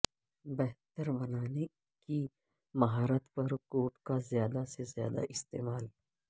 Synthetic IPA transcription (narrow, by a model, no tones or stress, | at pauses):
bɛɦt̪əɾbɐnaːne | ki | mɐɦaːɾət̪pɐɾkoːʈkazjaːd̪asezjaːd̪a̰ʔɪst̪eːmaːl